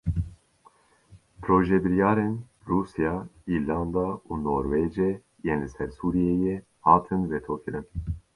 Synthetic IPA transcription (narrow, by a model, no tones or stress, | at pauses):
pʰɾoːʒebɨɾjɑːɾen | ruːsijɑːiːɾlɑːnd̪ɑːuːnoːɾweːd͡ʒe | jeːnlɨsɛɾsuːɾijeːje | hɑːt̪ʰɨnvet̪ʰoːkʰɨɾɨn